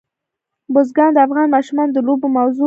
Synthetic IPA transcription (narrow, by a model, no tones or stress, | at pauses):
bozɡɑnd̪əafɣɑnmɑʃumɑnd̪əlobomawzo